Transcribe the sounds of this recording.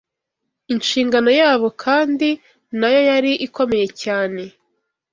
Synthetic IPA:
inʃiːŋɡano̞jaːβo̞kʰaːndi | najo̞jaɾiʔiko̞me̞je̞caːne̞

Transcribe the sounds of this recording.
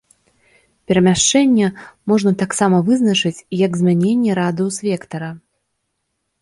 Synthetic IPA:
pʲɛɾɐmʲaʂt͡ʂɛnʲːɛmɔʐnɐt̪aksamɐvɨznɐt͡ʂɨt͡sʲjɐɡzmʲanʲenʲːɛɾad̪ɨwsvʲɛkt̪ɐɾɐ

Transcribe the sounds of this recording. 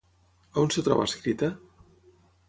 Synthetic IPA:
aonset̪ɾɔ̰βa̰skɾit̪ə

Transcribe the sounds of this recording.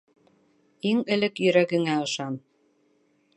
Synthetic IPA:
iŋɘ̆lɘkjɵ̆ɾæɡɘ̆ŋæɤ̆ʃɑm

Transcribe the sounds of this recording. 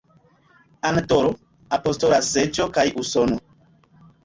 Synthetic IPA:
antoɾo | apo̞stolaset͡ʃokajʔusono

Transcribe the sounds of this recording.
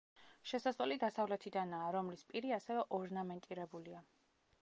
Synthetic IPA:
ʃɛsasɛlid̪asavlɛt̪ʰid̪anaːɾɔmlispʼiɾiasɛvɛʔɔɾnamɛnt̪ʼiɾɛbulia

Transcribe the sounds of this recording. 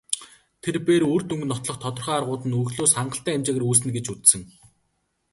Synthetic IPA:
t̪ʰerpeːɾuːr̥t̪uŋɡɘ̆nːɔt̪ɮɞ̆χt̪ʰɔt̪ɞ̆rχaːarʁʊːt̪ɘ̆nuxɮoːsχaɴɢə̆ɬt̪æːmt͡ɕaːɣruːs̬ɘ̆nɡet͡ɕut͡s̪sɘ̆ŋ

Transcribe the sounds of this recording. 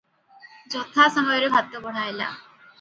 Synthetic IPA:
d͡ʑɔt̪ʰasɔmɔjoɾebʱat̪̚kobɔɽ̤ajla̰

